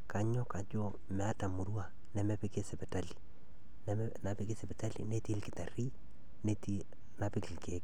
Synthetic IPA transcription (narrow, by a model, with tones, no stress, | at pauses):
ka˨ɲɔ˦ka˨d͡ʒo˦ | mɛ˨a˦ta˨mu˨ɾwa˨ | nɛ˨mɛ˦pe˦ke˦sɛ˨pɛ˨ta˦li̥˨ | nɛ˦ | na˨pe˦ke˦sɛ˨pɛ˨ta˦lḭ˨nɛ˦ti˦lkɪ˨ta˨ri˦ | nɛ˦ti˦ | na˦pɪ˦kɪ˨lke˦k